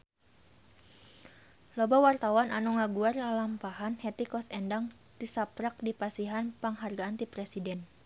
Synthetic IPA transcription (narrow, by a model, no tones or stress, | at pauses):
lɔbawart̪awanʔanuŋaɡuarlalampaɦanhɛt̪ikɔsɛndaŋ | t̪isapɾak̚dipasiɦanpaŋɦarɡaːnt̪ipɾɛsidɛn